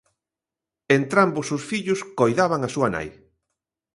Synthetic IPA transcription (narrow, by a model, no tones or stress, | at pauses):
ent̪ɾambʊsʊsfiʎʊskojðaβaŋasuɐna̰j